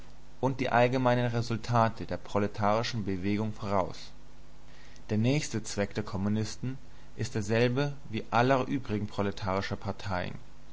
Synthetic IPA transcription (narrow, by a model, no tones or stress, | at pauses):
ʔʊnt̚d̥ḭːʔalɡəmaɪnənʁezʊltʰaːtʰədeːɐpʁ̥oletʰaːʁɪʃn̩bəveːɡʊŋfoːʁ̞aʊs | d̥eːɐnɛːçstət͡sv̥ɛk̚d̥eːɐkʰɔmunɪstn̩ | ʔɪstd̥eːɐzɛlbəviːʔalɐʔyːbʁɪɡŋ̩pʁ̥oletʰaːʁ̞ɪʃɐpʰaɐtʰaɪə̰n